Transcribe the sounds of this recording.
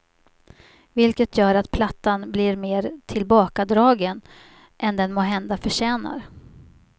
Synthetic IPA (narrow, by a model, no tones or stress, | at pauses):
vɪlkət̪ʰjœːɾat̪pʰlat̪ːanblɪɾmeːɾt̪ʰɪlbɑːkad̪ɾɑːɡən | ʔɛnd̪ɛnmoːɦɛnd̪afœʂɛːna̰ɾ